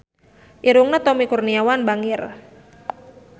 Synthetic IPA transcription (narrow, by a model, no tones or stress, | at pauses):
ʔiɾuŋnət̪ɔmikurniawanbaŋɪr